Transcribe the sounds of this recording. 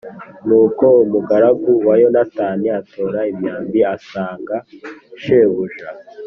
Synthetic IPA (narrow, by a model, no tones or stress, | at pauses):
nuːko̞umuɡaɾaɡuwajonataːniatʰo̞ɾaimɲaːmbiasaːŋɡaʃeβuʒa